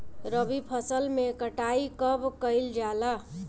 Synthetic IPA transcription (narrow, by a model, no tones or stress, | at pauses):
ɾʌbipʰʌsəlmekəʈaikʌbkʌjld͡ʒala